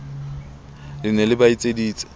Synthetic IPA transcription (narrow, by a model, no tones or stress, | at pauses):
lɪnɛlɪbait͡sʼediːt͡sʼɪ̥